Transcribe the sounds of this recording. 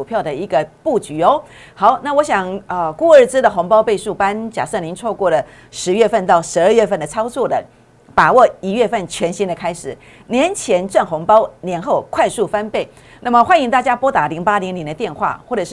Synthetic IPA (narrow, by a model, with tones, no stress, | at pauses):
u˨˩pʰjɑ˥˩ʊd̪ə˩i˧˥ɡə˧pu˥˩t͡ɕy˨˩ɔ˧ | xɑ˨˧˦ʊna˥˩wɔ˧˥ɕjɑ˨˩ŋə˥˧ku˥˧ə˞˥˩t͡sɻ̩˥d̪ə˨xʊ˧˥ŋpɑ˥ʊpe˥˧ɪʂu˥˩pa˥nt͡ɕja̰˨˩ʂɤ˥˩ŋli˧˥nt͡sʰwɔ˥˧kwɔ˥˩lə˩ | ʂɻ̩˧˥ɥɛ˥˧fə˥˧nt̪ɑ˥˩ʊʂɻ̩˧˥ə˥˧ɥɛ˥˧fə˥˩nd̪ə˩t͡sʰɑ˥ʊt͡swɔ˥˩d̪ə˩ | pa˨˩wɔ˥˩i˨˩ɥɛ˥˧fə˥˩nt͡ɕʰɥɛ˧˥nɕi˥nd̪ə˨kʰa˥ɪʂɻ̩˨˩ | njɛ˧˦nt͡ɕʰjɛ˧˦nʈ͡ʂa˥˩nxʊ˧˥ŋpɑ˥ʊnjɛ˧˥nxo˥˩ʊkʰwa˥˧ɪsu˥˩fa˥npe˥˩ɪ | na˥˩mə˩xwa˥ni˧˥ŋt̪a˥˩t͡ɕja˥pwɔ˥t̪a˧˥li˧˥ŋpa˥li˧˥ŋljɛ˧˥ndə˧t̪jɛ˥˧nxwa̰˥˩xwɔ˥˩ʈ͡ʂɤ˨˩ʂ